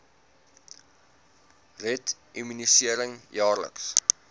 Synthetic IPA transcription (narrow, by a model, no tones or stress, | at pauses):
rɛt | imynisiəɾəŋjɑːrlə̰ks